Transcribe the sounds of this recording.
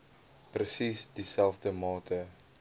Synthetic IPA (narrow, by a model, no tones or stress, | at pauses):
prəsisdisɛlˠfdəmɑːtʰə